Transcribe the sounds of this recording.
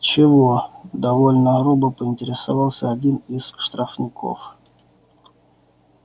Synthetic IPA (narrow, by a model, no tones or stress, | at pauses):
t͡ɕɪvod̪ɐvolʲnəɣɾubəpəɪnʲtʲɪɾʲɪsɐvɑlˠsʲəɐdʲinɪsʂt̪ɾɐfnʲɪkʰo̰f